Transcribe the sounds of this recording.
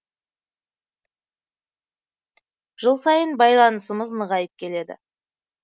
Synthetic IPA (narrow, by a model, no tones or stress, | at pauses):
ʒ̥əlˠsɑjənbɑjlˠɑnəsəməznəʁɑjəp̚kʲʰe̞le̞d̪ɪ̰